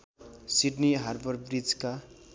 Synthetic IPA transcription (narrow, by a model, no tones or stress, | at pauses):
siɖniɦarbʌrbrid͡zka